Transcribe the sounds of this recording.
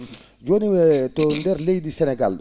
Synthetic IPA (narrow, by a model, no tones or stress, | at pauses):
ɟoːniwɛtɔndɛɾlejdisɛnɛɡal